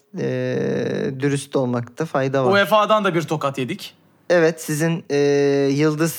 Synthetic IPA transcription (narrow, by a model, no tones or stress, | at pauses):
ɛ | d̪yɾyst̪ʰo̞lˠmakt̪ʰɯfajd̪avuefaːd̪and̪abiɾt̪ʰo̞kat̪je̞d̪ic | ɛvɛt̪sizinɛːjɯlˠd̪ɯz